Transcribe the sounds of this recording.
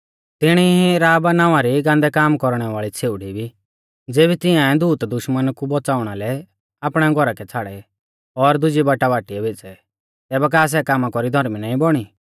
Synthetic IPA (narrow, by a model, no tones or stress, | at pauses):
t̪ɪɽ̃iɦiɾaːbnãːʋaɾiɡãːnd̪ɛkaːmkɔɾɽ̃ɛʋaːɭit͡sʰeːʊɽibʱi | d͡zeːbit̪ɪãɛd̪uːt̪d̪ʊʃmənkubɔt͡saːʊɽ̃alɛ | aːpɽ̃ɛɡʱɔɾakɛt͡sʰaːɽɛ | ɔɾd̪ʊd͡ʒibaʈaʋaːʈiɛʋeːt͡sɛ | t̪ɛːbɛk̬aːs̬ɛkamakɔɾid̪ʱɔɾminaːĩbɔɽ̃i